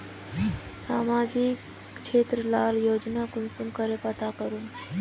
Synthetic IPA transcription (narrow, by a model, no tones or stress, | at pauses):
saːmaːd͡ʒik | t͡ʃʰeːt̪ɾəlaːljoːd͡ʒnakʊnsumkəɾepɐt̪akəɾun